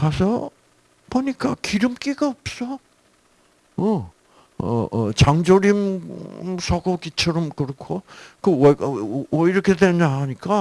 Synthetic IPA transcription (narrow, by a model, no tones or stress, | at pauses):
kasʰʌ | poɲik͈akiɾɯmk͈iɡaʌp̚s͈ʌ | ʌ | ʌ̰ʌt͡ɕaŋd͡ʑoɾim | sʰʌɡokit͡ɕʰʌɾʌmkɯɾʌkʰokɯʌʌiɾʌkʰedweɲaɦaɲik͈a